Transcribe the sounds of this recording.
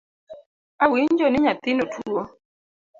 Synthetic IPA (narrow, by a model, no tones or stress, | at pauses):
awɪɲd͡ʒɔnɪɲat̪ɪnotʰuo